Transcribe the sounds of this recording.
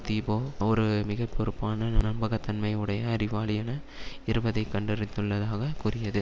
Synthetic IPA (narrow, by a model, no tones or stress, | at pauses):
t̪iːboːɔɾɯmɪɣɐpːɔɾɯpːaːnɐnɐmbɐɣɐt̪ːɐnmɐɪɯɽɐjɐːɾɪʋaːɭɪjɐnɐ | ɪɾɯbɐðɐɪkːɐɳɖɪɾɪt̪ːɯɭːɐðaːɣɐkʊrɪjɐðɯ